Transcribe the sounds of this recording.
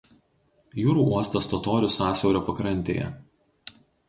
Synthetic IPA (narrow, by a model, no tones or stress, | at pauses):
juːɾuːuɔst̪ɐst̪ɔt̪oːɾʲʊsɑːsʲɛʊɾʲoːpɐkɾɐnʲt̪ʲḛːjɛ̰